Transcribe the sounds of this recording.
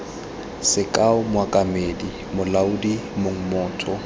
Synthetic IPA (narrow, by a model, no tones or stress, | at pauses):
sɪkʼaʊmwakʼamedi | mʊlaudimoŋ̩mɔːtʰʼɔ